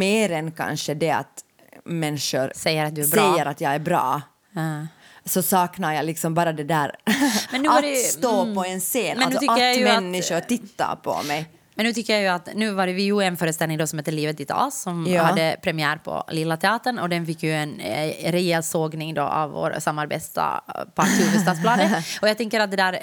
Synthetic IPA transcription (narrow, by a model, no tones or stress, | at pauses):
meːɾɛnkʰa̰nʂəd̪ɛa̰t̪ | mɛnːʂʊɾsɛjːəɾat̪̚d̪ʉæɾbɾɛjːəɾat̪jɑːɡæɾbɾɑ̰ː | sɔsɑːknaɾjɑlɪksɔmbɑːɾad̪ɛd̪æːɾmɛnːʉːaɾsoːpɔɛnseːnɛnlʉsɔt̪ʏkːəɾjajmɛnːɪʂʊɾt̪ɪt̪ːa̰ɾpʰɔ̰mɛj | mɛnʉːt̪ʏkːəɾjajʉat̪nʉ̟ːvɑːɾəvɪjʉɛnfœːɾəst̪ɛlnɪŋd̪ɔsɔmheːt̪ːəliːvət̪ɪt̪ʰɔ̰ːsːɔmjhaddːəpʰɾɛmɪæːɾpʰɔ̰lɪlːat̪ʰɛɑːt̪əɳɔd̪ɛnfɪkːjʉɛnɾɛjeːlsoːɡnɪŋd̪ɔ̰ʔa̰vvo̰ːɾsamːaɾbḛːt̪st̪a̰pʰat̪iːfəst̪ɑːt̪spʰlɑːd̪əɔjat̪ɛŋkːəɾat̪̚d̪ɛd̪æːɾ